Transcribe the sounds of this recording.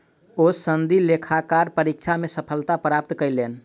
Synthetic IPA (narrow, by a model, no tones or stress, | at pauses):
osənd̪ʱilekʰakaɾpəɾik̚t͡ʃʰamesəpʰəlt̪apɾap̚t̪kəjlen